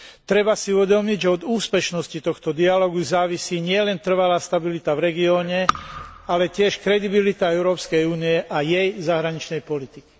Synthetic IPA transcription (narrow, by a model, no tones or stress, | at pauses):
t̪ɾɛbasiuʋɛd̪ɔmiɟʒɛɔd̪uːspɛʃnɔscit̪ɔxt̪ɔd̪ialɔɡuzaːʋisiːɲɪɛlɛnt̪r̩ʋalaːst̪abilit̪avɾɛɡiɔːɲɛalɛcɪɛʃkɾɛd̪ibilit̪aɛʊɾɔːpskɛjuːniɛʔajɛjzaɦɾaɲit͡ʃnɛjpɔlit̪iki̥